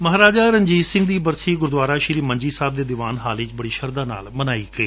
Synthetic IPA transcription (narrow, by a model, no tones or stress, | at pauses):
məɦɾaːd͡ʒaːɾəɲd͡ʒiːsɪ̃ŋɡd̪iːbəɾsiːɡʊɾd̪waːɾaːʃɪɾiːməɲd͡ʒiːsaːb̚d̪eːd̪ɪʋaːnɦaːlit͡ʃbəɽiːʃəɾd̪aːna̰ːlmənaːiːɡəeː